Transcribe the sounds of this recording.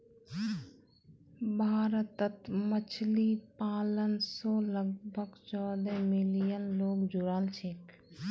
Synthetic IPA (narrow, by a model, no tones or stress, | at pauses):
bʱaːɾət̪ːət̪mət͡ʃʰlipaːlənsɔləɡbʱəɡt͡ʃɔːd̪ɛmilijənloːɡd͡ʒuɾaːlt͡ʃʰeːk